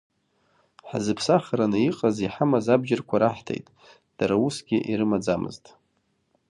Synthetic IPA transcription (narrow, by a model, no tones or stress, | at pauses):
ħa̰zɨpʰsaχaɾanɨiqʼaziħamazabd͡ʒɪrkʷʰaɾaħtʰḛjtʼ | d̥aɾausɡʲɪʔiɾɨmad͡zamɨ̰ztʼ